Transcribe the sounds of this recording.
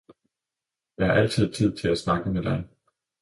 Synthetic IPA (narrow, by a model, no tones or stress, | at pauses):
jɑ̈ɪhɑ̈ʔæl̰t͡sʰið̞̰ˠt͡sʰið̰ˠt͡sʰe̝læsnɑ̈ɡ̥əmed̥ɑ̈ɪ